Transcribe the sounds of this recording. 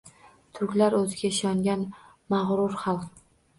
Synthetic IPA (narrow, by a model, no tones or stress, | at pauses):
t̪ʰʊɾkʲlaɾɵzɪɡʲaɪʃɒŋɡʲan | maʁɾʊɾχɑlˠq